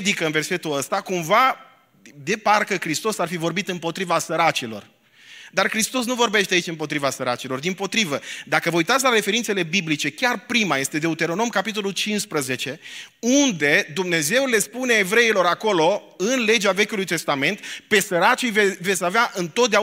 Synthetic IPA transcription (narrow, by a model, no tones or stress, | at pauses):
d̪ikəɨnve̞rse̞t̪uləst̪akumva | d̪e̞parkəkɾist̪o̞sarfivo̞rbit̪ɨmpo̞t̪ɾivasəɾat͡ʃilo̞̰r | d̪arkɾist̪o̞s̬nuvo̞rbe̞ʃt̪eait͡ʃʲɨmpo̞t̪ɾivasəɾa̰t͡ʃilo̞rd̪impo̞t̪ɾivəd̪akəvəujt̪at̪sʲlaɾe̞fe̞ɾint̪se̞le̞biblit͡ʃe̞kʲarpɾimaje̞st̪ed̪eut̪e̞ɾo̞no̞mkapit̪̬o̞lult͡ʃinspɾəze̞t͡ʃe̞und̪e̞d̪umne̞ze̞wle̞spune̞ːvɾe̞ilo̞ɾako̞lo̞ | ɨnle̞d͡ʒeave̞kʲulujt̪e̞st̪ame̞nt̪pe̞səɾat͡ʃijvevet̪sʲaveaʔɨnt̪ot̪̚d̪ea